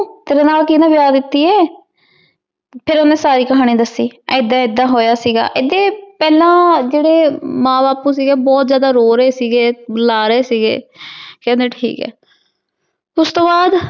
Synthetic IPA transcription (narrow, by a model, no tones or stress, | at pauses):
t̪eːɾãːnaːlkinãːʋɪjaːd̪ɪt̪ːiːɛː | pʰɪɾʊnẽːsaːɾiːkəɦaːɽ̃ĩːd̪əsːiːɛ̰ɪd̪ãːɪd̪ːãːɦoːjaːsiːɡa̰ːʔɪd̪eːpɛːlãːd͡ʒeːɽeːmãːbaːpuːs̬iːɡeːbɔːt̪zjaːd̪aːɾoːɾeːsiːɡeːbəlaːɾəeːsiːɡḛːkɛ̃ːnd̪eːʈʰḭːkɛ̰ː | ʊst̪õːbaːd̪